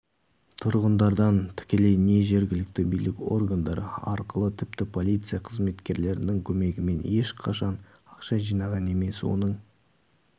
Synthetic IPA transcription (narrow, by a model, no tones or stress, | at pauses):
t̪ʰʊɾʁənd̪ɑɾd̪ɑnt̪ʰɪ̥kʲe̞le̞jne̞ʒe̞ɾɡʲɪlɪk̚t̪ɪbijlɪkʲo̞̰rɡand̪ɑɾə̰ɑɾqəlˠət̪ʰɪp̚t̪ɪpʰo̞lˠijt̪sɨjaqʰəzme̞t̪kʲe̞ɾle̞ɾɪnɪŋkʲʰɵme̞ɡʲɪme̞ne̞ʃqʰɑʃɑn | ɑqʃɑʒijnɑʁɑne̞me̞swo̞̰nəɴ